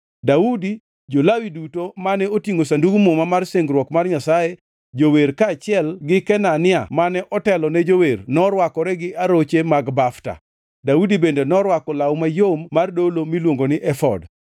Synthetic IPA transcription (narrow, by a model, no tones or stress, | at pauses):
daudi | d͡ʒolawidutomanɛotjiŋosanduɡumomamarseŋɡɾwɔkmarɲasaje | d͡ʒoweɾkaːt͡ʃɪɛlɡɪkɛnanɪa̰manɛʔɔtɛlɔnɛd͡ʒowernɔɾwakɔɾɛɡɪʔaɾot͡ʃemaɡbafta̰ | daudibendenɔɾwakɔlawmajomːardolomilwoŋɡonɪʔɛfɔ̰d